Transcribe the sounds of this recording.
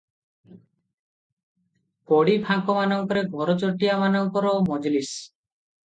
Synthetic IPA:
koɽibʱakɔmanɔŋkɔɾeɡʱɔɾot͡ʃoʈijamanɔŋkɔɾomɔd͡ʒlis

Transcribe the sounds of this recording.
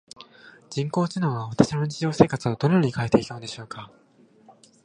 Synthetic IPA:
d͡ʑĩŋko̞ːt͡ɕinõɰ̃βaβat̪aɕinot͡ɕiʑo̞ːse̞ːkat͡sɨod̪o̞no̞joɲ̟ikaet̪e̞ikand̪eɕo̞ːka

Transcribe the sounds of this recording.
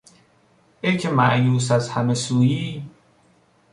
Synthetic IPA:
ecʰemæʔjuːs̬æzhæmesuːjiː

